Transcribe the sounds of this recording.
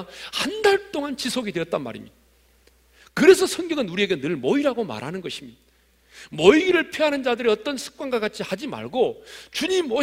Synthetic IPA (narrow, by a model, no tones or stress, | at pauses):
handaɭt͈oŋant͡ɕisʰoɡidwe̞ʌt̚t͈anma̰ɾḭmɲida | kɯɾe̞s̬ʰʌsʰʌŋɡjʌɡɯnuɾie̞ɡe̞nɯɭmʌiɾaɡoma̰ɾɦanɯnɡʌɕʰimɲida | mʌiɾɯɭpʰiɦanɯnd͡ʑadɯɾiʌt͈ʌnsʰɯ̥k̚k͈wanɡakat͡ɕʰihad͡ʑima̰ɭɡot͡ɕuɲimʌ